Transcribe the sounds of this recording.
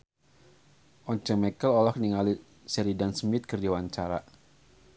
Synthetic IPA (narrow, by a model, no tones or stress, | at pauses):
ʔɔɲt͡ʃɛŋmɛkəlɔlɔkniŋali | sɛɾidansmɪt̪̚kərdawaɲt͡ʃaɾa̰